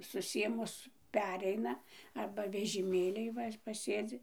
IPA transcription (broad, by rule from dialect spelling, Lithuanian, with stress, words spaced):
sʊˈsʲeːmʊs ˈpʲæːrʲɛɪnɐ ˈɐrbɐ ʋʲɛʒʲɪˈmʲeːlʲiːj ˈʋɐ pɐˈsʲeːd͡zʲɪ